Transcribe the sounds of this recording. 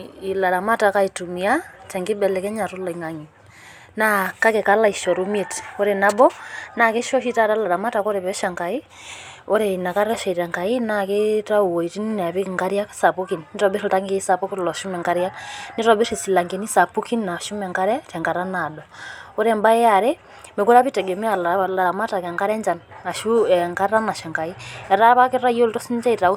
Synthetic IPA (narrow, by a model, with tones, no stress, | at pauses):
i˨la˨ɾa˨ma˦ta˨ka˦i˨tu˨mia˦tɛ˨ŋɡi˦bɛ˨lɛ˨kɛ˦ɲa˨to˦la˨iŋa˨ŋi˨ | na˦ka˦kɛ˨ka˦la˦i˨ʃɔ˨ɾu˦mi˦e˨to˦ɾena˦bɔ˦na˨ke˦ʃɔ˦ʃi˦ta˦ta˦la˨ɾa˨ma˦ta˨ko˦ɾe˨βɛ˦ʃa˨ŋka˨i˦ | o˦ɾe˨ina˨ka˦ɾɛ˦ʃɛ˨tɛ˨ŋka˨i˦na˦˨ke˦ta˦u˨wo˨i˨ti˦n˦n˨a˨βi˦kŋɡa˦ɾja˦ksa˨pu˦ki˨nni˦tɔbe˦ɾo˨ta˦ŋɡe˦sa˨pu˦ki˦lɔ˨ʃu˦mɛ˨ŋɡa˦ɾja˦ni˦tɔ˨bi˦ɾi˨si˨la˨ŋɡe˨ni˦sa˨pu˦ki˦nna˨ʃu˦mɛ˨ŋka˦ɾɛ˦tɛ˨ŋɡa˨ɾa˦na˨dɔ˨o˦ɾɛmba˦ɛ˦a˨ɾe˦ | me˨ko˦ɾa˦βi˦tɛ˨ɡɛ˨m˦a˨lla˨ɾa˨ma˦ta˨kɛ˨ŋka˦ɾɛ˦ɲd͡ʒa˨na˨ʃuŋka˦ɾa˦na˨ʃa˨ŋka˨iɛ˨ɾa˦βa˦ke˦ɾa˦ijo˦ltɔ˦si˦nt͡ʃa˦i˨ta˨u˦